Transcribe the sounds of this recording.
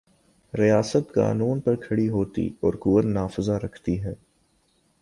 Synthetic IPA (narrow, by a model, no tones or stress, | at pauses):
ɾijaːsət̪ka̰ːnuːnpɐɾkʰɐɽiɦoːt̪ḭɔːɾkʊːəɾnaːfɪzaɾɐkʰt̪iɦɛː